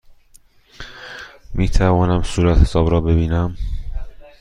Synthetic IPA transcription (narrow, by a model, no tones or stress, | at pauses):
miːt̪ʰævɒːnæmsuːɾæt̪hesɒːbɾɒːbe̞biːnæm